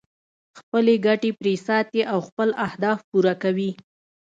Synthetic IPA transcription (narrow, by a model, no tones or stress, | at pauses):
xpəleɡaʈepɾesɑt̪eʔawxpəlahd̪ɑfpuɾakawi